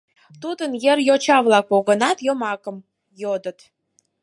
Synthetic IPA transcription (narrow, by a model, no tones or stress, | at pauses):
t̪ud̪ənjerjot͡ɕɑβlɑk̚poɣənɑt̪jomɑkəm | jod̪ə̆t̪